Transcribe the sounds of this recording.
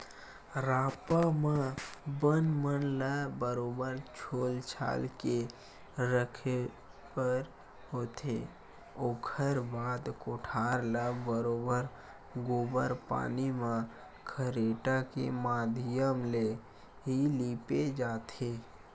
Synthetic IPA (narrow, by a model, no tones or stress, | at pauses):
ɾaːpamãbənmənlabəɾoːbəɾt͡ʃʰoːlt͡ʃʰa̰ːlke | ɾəkʰe | pəɾ | ɦoːt̪ʰḛ | oːkʰəɾbaːd̪koʈʰaːɾləbəɾoːbəɾ | ɡoːbəɾpa̰ːnimã | kʰəɾeːʈakḛmaːd̪ʱɪjəmle | ɦiliːped͡ʒaːt̪ʰe